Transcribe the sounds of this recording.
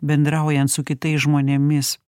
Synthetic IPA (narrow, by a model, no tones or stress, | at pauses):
bʲɛnd̪ɾɐˑʊjɛnt̪sʊkʲɪt̪ɐɪsʒmoːnʲemʲɪs